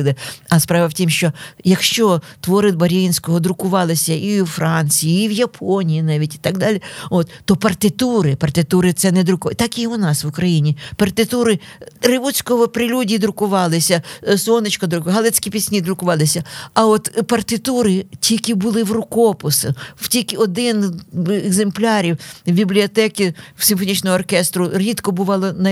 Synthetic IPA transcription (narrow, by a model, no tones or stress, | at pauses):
lˠɪɐspɾɑʋɐwtʲimʃt͡ʃɔjɐkʃt͡ʃɔt̪ʋɔɾɪd̪̚bɐɾʲinʲsʲkɔɦɔd̪ɾʊkʊʋɑlˠɪsʲɐʔiwfɾʔɑnʲt͡sʲijiːʋjɐpʰɔnʲijinɑʋʲitʲi̥t̪ɑɡ̚d̪ɑlʲiɔt̪ːɔpɐrt̪ɪt̪uɾɪpɐrt̪ɪt̪uɾɪt̪sɛnɛd̪ɾʊkt̪ɑkiʊnɑsʋʊkɾɐjinʲipɐrt̪ɪt̪uɾɪɾɪʋut͡sʲkɔɦɔpɾɪlʲudʲid̪ɾʊkʊʋɑlˠɪsʲɐsɔnɪt͡ʃkɔd̪ɾʊkɦɑlˠɛt͡sʲkʲipʲisʲnʲid̪ɾʊkʊʋɑlˠɪsʲɐɐɔt̪pɐrt̪ɪt̪uɾɪtʲijɐkʲibʊlˠɪwrʊkɔpʊsɪw̥tʲijkɪɔd̪ɪnɛɡzemplʲɑɾʲiwbʲiblʲiɔt̪ɛkʲiwsʲɪmfɔnʲit͡ʃnɔɦɔɔrkɛst̪ɾʊɾʲit̪kɔbʊʋɑlˠɔnɐ